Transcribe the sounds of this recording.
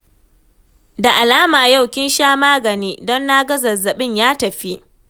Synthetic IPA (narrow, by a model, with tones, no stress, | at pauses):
da˨ʔa˨laː˦maː˨ja˦˨wkʲɪ˦nʃaː˦maː˦ɡɐ˨niː˦dɔ˦nːa˦ɡɐ˦zɐ˨zɐ˨ɓɪ˦˨ɲjaː˦tɐ˨ɸi˦ʔ